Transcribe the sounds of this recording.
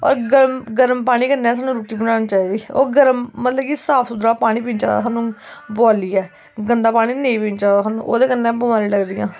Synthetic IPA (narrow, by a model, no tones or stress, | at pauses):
ɔ̰ːɾɡəɾmɡəɾəmpaːɽ̃iːkənːeɛ̃ːsaːnːũːɾuːʈiːbənaːniːt͡ʃaːiːd̪iːo̰ːɡəɾəmːət̪ləbkisaːpʰsʊd̪ɾaːpaːɽ̃ĩːpĩːnt͡ʃa̰ːd̪a̰ːsaːnũːbɔːliːɛː | ɡənd̪aːpaːɽ̃iːnẽĩːpĩːnt͡ʃaːd̪aːsaːnṵ̃ːʔo̰ːd̪eːkənːɛ̃ːbəmaːɾiːləɡd̪iːã̰ː